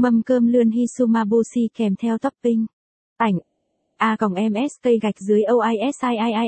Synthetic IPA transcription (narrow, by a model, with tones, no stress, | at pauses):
mə˧˩mkəː˧mlɨ˧ənɦi˧su˧maː˧ɓo˧si˧kɛ˧˩mt̪ʰɛ˧wt̪ʰɔ˦˥p̚pï˧ŋ̟ | t̪a˧˩jŋ̟ | ʔaː˧kə˧˩ŋ͡mʔɛ˧mʔɛ˦˥st̪ə˧jɣa˨˩jk̚zɨ˨˦əjʔə˧wʔaː˧jʔɛ˦˥sʔaː˧jʔaː˧jʔaː˧j